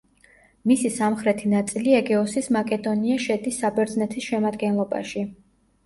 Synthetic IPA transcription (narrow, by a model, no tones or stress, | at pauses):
misisamχɾɛt̪ʰinat̪sʼiliɛɡɛɔsismakʼɛd̪ɔniaʃɛd̪isːabɛɾd̪znɛt̪ʰisʃɛmad̪ɡɛnlˠɔba̰ʃi